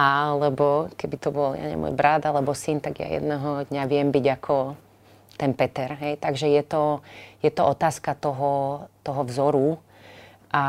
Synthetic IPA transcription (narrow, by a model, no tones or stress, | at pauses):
ʔalɛbɔkɛbit̪ɔbɔlja̰ɲɛ̰mɔ̰jbɾad̪alɛbɔsint̪aɡja̰jɛ̰d̪nɛɦɔd̪ɲaʋɪɛmbiɟakʰɔ | t̪ɛnpɛt̪ɛɾɦɛjt̪aɡʒɛjɛt̪ɔjɛt̪ɔɔt̪aːskat̪ɔɦɔt̪ɔɦɔvzɔɾu | ʔa